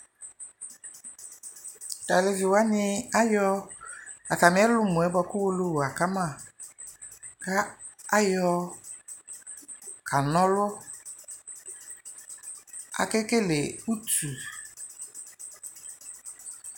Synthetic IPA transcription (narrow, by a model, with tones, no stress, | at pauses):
a˨le˨vi˨wa˦nɪ˦a˦jɔ˦ | a˨ta˨mɪ̃˨˦ɛ˦lʊ˦mũ˨ɛ˦bɔ˨kʊ˦wo˦lo˦wa˨ka˦mã˦˨ | ka˦ | a˦jɔ˨˦ | kʰa˨nɔ̃˦lɔ˦ | a̰˨ke˦ke˦le˨u˦tu˨